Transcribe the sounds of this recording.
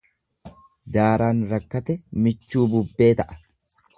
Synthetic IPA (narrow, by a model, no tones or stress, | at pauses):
d̪aːɾʔaːnɾɐkːɐt̪ɛmɪt͡ʃːuːbʊbːe̞ːt̪ɐʔɐ̥